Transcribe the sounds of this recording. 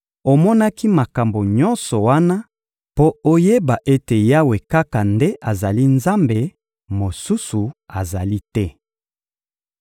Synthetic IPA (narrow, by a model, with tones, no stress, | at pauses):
o˨mɔ˦na˦ki˦ma˨ka˨mbo˨ɲɔ̃˦nsɔ˨wa˦na˦ | po˦o˦je˦ba˨ʔe˦te˨ja˦we˨ka˦ka˨nde˦ʔa˨za˨li˦nza˦mbe˨ | mo˨su˦su˨a˨za˨li˦tɛ˦